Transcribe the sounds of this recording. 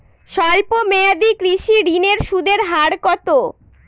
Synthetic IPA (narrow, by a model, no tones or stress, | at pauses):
ʃalpomead̪ikɾiʃiɾineɾʃud̪ʱeɾɦaɾkɔt̪o